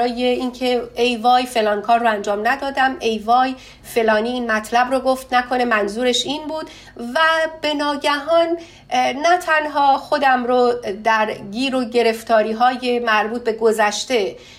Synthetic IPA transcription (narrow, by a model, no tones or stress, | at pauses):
ɾɒːjeiːncʰe̞ejvɒːjfe̞lɒːnkʰɒːrːoænd͡ʒɒːmnæd̪ɒːd̪æmʔe̞jvɒːj | fe̞lɒːniːnmæt̪ʰlæbɾoːɡo̞ft̪nækʰo̞ne̞mænzuːɾe̞ʃiːnbuːd̪ | væb̥e̞nɒːɟæɦɒːnː | æt̪ʰænɦɒːxo̞d̪æmɾod̪æɾɡiːɾoɟe̞ɾe̞ft̪ʰɒːɾiːɦɒːje̞mæɾbuːt̪̚be̞ɡo̞zæʃt̪e̞